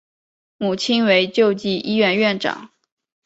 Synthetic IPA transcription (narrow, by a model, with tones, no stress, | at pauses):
mu˨˩t͡ɕʰi˥nwe˧˥ɪt͡ɕjo˥˧ʊt͡ɕi˥˩ʔi˥ɥɛ˥˧nɥɛ˥˩nʈ͡ʂɑ̰˨˩˦ŋ